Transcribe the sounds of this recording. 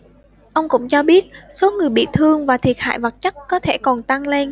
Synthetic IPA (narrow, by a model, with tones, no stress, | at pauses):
ʔə˧wŋ͡mkʊ̰˧˥ŋ͡mt͡ɕɔ˧ɓi˦˥ət̚so˨˦ŋɨ˨˩əjɓḭ˧˨t̪ʰɨ˧əŋvaː˨˩t̪ʰi˨˩ət̚ha̰ː˧˨jvə˨˩t̚t͡ɕə˦˥t̚kɔ˨˦t̪ʰe˧˩kɔ˨˩nt̪a˧ŋle˧n